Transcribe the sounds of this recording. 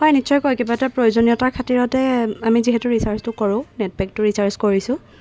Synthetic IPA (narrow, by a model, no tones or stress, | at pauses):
hɔjnisɔjkɔjkɛbatapɹojozonijɔtaɹkʰatiɹɔtɛamiziɦɛtʊɹisaɹstʊkɔɹʊ̃nɛt̚bɛk̚tʊɹisaɹskoɹisʊ̃